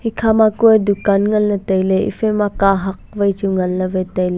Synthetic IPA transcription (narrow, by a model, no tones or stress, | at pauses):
hikʰamakujdukanŋɐlːɐtɐjleḭfemakaɦɐk̚vɐjt͡ʃuŋɐnːɐvɐjtɐjl